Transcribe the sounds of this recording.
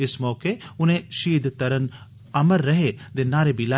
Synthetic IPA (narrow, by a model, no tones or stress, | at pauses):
ɪsmɔːkeʊnẽʃiːd̪t̪əɾən | ɐməɾːəɦed̪eːnaːɾebʱila